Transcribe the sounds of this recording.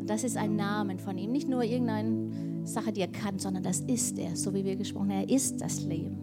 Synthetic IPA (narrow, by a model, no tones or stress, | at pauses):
d̥asɪsta̰ɪnːaːmənfɔniːmnɪçtnuːɐʔɪɐɡŋ̩taɪnə | z̥aχədiːeɐkʰanz̥ɔndɐndasɪstʔḛːɐz̥oːviːviːɐɡəʃpʁ̥ɔ̰χəneːɐʔɪst̚d̥a̰slḛːbm̩